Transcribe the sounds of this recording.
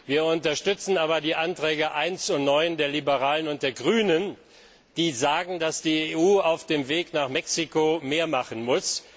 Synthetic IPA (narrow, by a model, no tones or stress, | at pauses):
viːɐʊntɐʃtʏt͡sn̩aːbɐdiːʔantʁ̥ɛːɡəʔaɪnsʊnnɔʏndeːɐlibəʁaːlənʊnt̚d̥eːɐɡʁyːnən | d̥iːzaːɡŋ̩dasd̥iːeʔuːaʊfd̥eːmveːknaːχmɛksikomeːɐmaχən̩mʊs